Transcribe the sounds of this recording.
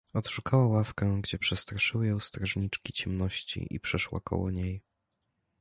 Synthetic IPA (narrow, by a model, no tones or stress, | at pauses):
ɔt̪ʂukawawafkɛɡd͡ʑɛpʂɛst̪ɾaʂɘwɘjɔ̃w̃st̪ɾaʐɲit͡ʂkʲit͡ɕɛmnɔɕt͡ɕḭʔḭpʂɛʂwa̰kɔ̰wɔ̰ɲej